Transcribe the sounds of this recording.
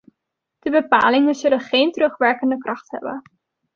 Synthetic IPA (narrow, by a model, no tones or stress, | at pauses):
d̥əbəpaːlɪŋənzɵlənχejntrɵχʋɛɹkəndəkrɑχtɦɛ̰bə̰n